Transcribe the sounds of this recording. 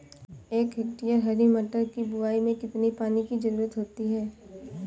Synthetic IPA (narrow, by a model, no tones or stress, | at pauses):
eːkɦɐk̚ʈijaɦɐɾimɐʈəɾkibʊaːimẽkɪt̪nipaːnikid͡ʒɐɾuːɾət̪ɦoːt̪iɦɛː